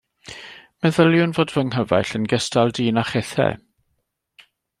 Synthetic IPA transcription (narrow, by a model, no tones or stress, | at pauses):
mɛðəljʊnvoːdvəŋɦəva̰jɬənɡəstalˠdiːnaχɛθɛ̰